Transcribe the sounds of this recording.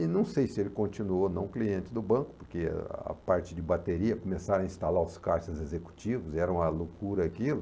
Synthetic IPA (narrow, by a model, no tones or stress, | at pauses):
ɪnɐ̃w̃sejsɪelɪkõnt͡ʃinuonɐ̃w̃kliẽnt͡ʃɪd̪ʊbɐ̃kʊ̥poɾkḛɐ̰paɾt͡ʃɪd͡ʒɪbat̪eɾiɐkomesaɾ̃ɐĩst̪alaɾʊskaɾʃɐzezeku̥t͡ʃivʊzɛɾɐ̃w̃mɐlokuɾɐakilʊ